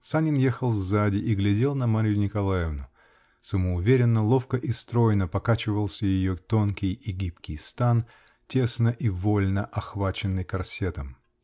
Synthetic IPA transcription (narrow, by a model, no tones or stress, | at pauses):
sanʲɪnjexəlˠvzadʲɪʔiɡlʲɪdʲe̞lˠnɐmaɾʲɪjʊnʲɪkɐlˠajɪvnʊ | səməʊvʲeɾʲɪnːəlˠo̞fkəʔɪst̪ɾo̞jnəpɐkat͡ɕɪvəlˠsʲəjɪjot̪o̞nkʲɪjɪɡʲipkʲɪjst̪an | tʲe̞snəʔivolʲnəʔɐxvat͡ɕɪnːɨjkɐrsʲet̪əm